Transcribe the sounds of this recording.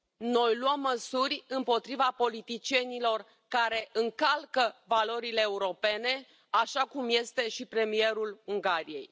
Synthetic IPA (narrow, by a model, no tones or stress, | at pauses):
no̞jluəmːəsurʲɨmpo̞t̪ɾivapo̞lit̪it͡ʃie̞nilo̞r | kaɾe̞ʔɨŋkalkəvalo̞ɾile̞ːuɾo̞pe̞ne̞ | aʃakumje̞st̪e̞ʃipɾe̞mie̞ɾuluŋɡaɾije̞̰j